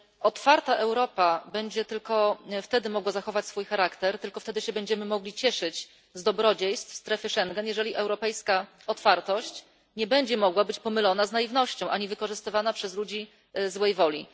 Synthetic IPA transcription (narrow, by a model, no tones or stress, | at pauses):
ɔt̪faɾt̪aʔɛwɾɔpabɛɲd͡ʑɛt̪ɘlkɔft̪ɛd̪ɘmɔɡwazaxɔvat͡ɕsfujxaɾakt̪ɛɾt̪ɘlkɔft̪ɛd̪ɘɕɛbɛɲd͡ʑɛmɘmɔɡlʲit͡ɕɛʂɘt͡ɕ | zd̪ɔbɾɔd͡ʑejst̪st̪ɾɛfɘʂɛŋɡɛnjɛʐɛlʲiʔɛwɾɔpɛjska | ɔt̪faɾt̪ɔɕt͡ɕ | ɲɛbɛɲd͡ʑɛmɔɡwabɘt͡ɕpɔmɘlɔnaznajivnɔɕt͡ɕɔ̃w̃ʔaɲivɘkɔʐɘst̪ɘvanapʂɛzlud͡ʑi | zwɛjvɔlʲi